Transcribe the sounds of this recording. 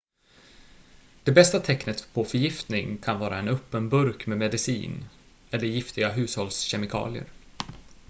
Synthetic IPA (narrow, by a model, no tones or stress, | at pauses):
d̪̥ɛbɛst̪at̪ʰɛknət̪pʰɔfœɾjɪft̪nɪŋkʰanvɑːɾaɛnɵpːənbɵɾkmɛmɛd̪ɪsḭːn | ɛlːəɾjɪft̪ɪɡaɦʉ̟ːshɔlsɕɛmɪkʰɑ̰ːlɪə̰ɾ